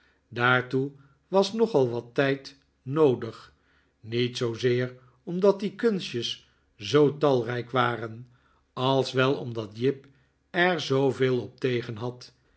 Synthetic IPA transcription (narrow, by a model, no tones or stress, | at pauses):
daːɹtu | ʋɑsnɔχɑlˠʋɑtɛjt | nowdəχ | nitsowzɪːɹ | ɔmdɑt̚dikɵnsjəs | zowtɑlˠrɛjkʋaːrən | ɑlˠsʋɛlˠɔ̰mdɑtjɪp | ɛɹzowveːlˠɔp̚tejχənɦɑt